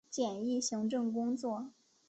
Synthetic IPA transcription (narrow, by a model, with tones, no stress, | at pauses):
t͡ɕjɛ˨˩ni˥˩ɕi˧˥ŋʈ͡ʂɤ˥˩ŋkʊ˥ŋt͡swɔ˥˩